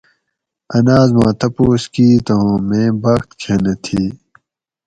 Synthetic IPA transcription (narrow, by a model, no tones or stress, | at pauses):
ɐnaːzmãːt̪ɐpoːskiːt̪oõmẽːbɐxt̪kʰenet̪ʰiː